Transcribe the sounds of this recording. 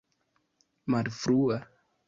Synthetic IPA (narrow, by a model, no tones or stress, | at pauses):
maɾvɾua